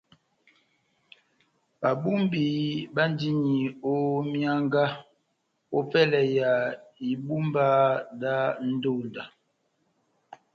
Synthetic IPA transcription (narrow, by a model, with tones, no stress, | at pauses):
ba˨bu˦mbi˨ba˦n˦di˦ɲi˨o˦mja˦ŋɡa˦ | o˦pɛ˦lɛ˨ja˨i˨bu˦mba˦da˦n̩˦do˦˨n˨da˨